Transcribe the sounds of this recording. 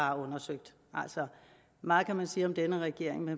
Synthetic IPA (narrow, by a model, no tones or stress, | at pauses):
ɑ̈ɔ̽nɐsøɡ̥̚d̥ | ʔæl̰sɒ | mɑ̈ːð̩ˠkʰæmænsiːɒ̽md̥enəʁɛɡ̥e̝ɐ̰e̝ŋme